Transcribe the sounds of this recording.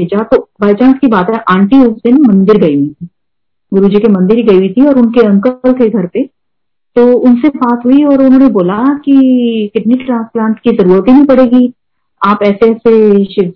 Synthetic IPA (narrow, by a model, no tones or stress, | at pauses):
eːd͡ʒat̪obaːɪt͡ʃãːnskibaːt̪ɦɛʔãːɳʈioːsɪnmɐ̃nd̪ɪɾɡɐiɦuit̪ʰi | ɡʊɾud͡ʒikemɐ̃nd̪ɪɾiɡɐiuit̪ʰiɔːɾʊnkeɐ̃ŋkəlkeɡʱɐɾpe | t̪oːʊnsebaːt̪ɦuiɔːɾʊnɦõːneboːlakikɪɖniʈʈɾãːsplãːɳʈkizɐɾuːɾət̪ɦinɐ̃ĩpɐɽeːɡi | aːpɛːseɛːseʃɪ